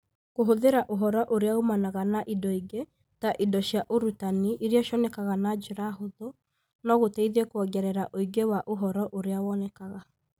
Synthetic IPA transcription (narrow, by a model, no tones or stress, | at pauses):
koɦoðeɾaʔoɦɔɾɔʔoɾeaomanaɣanaʔidɔiɡe | taʔidɔʃjaʔoɾutaniʔiɾiɔʃɔnɛkaɣanad͡ʒeɾahoðo | nɔɣotɛiðɛkwɔɡɛɾɛɾaʔoiɡewaʔoɦɔɾɔʔoɾeawɔnɛkaɣa